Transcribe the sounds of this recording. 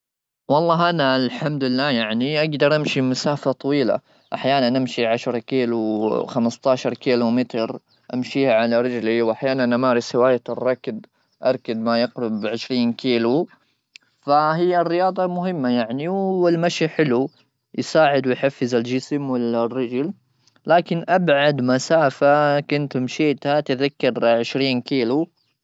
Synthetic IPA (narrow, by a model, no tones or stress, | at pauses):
wɑlˤːɑːɦʔanalħamd̪ɪlːaːjaʕniʔaɡd̪ɑɾˤʔamʃimasaːfat̪ˤɑwiːla̰ | ʔaħjaːnanʔamʃiʕaʃɾˤkiːluxamɪst̪ɑːʃɑɾˤkiːlumɪt̪ɾ | ʔa̰mʃiːhaʕalaɾɪd͡ʒliwʔaħjaːnannʔamaːɾˤɪshɪwaːjarˤːɑkd̪ | ʔɑɾˤkad̪majɪqɾʊbʕɪʃɾiːnkiːlu | faɦɪjːarːɪjɑːd̪ˤɑmʊɦɪmːajaʕniwɪlmaʃiħɪlu | jsaːʕɪd̪wɪjħafːɪzald͡ʒɪsmwɪlrːɪd͡ʒl | laːkɪnʔabʕad̪masaːfakʊnt̪mʃiːt̪hat̪ɪðakːɑɾʕɪʃɾiːnkiːlu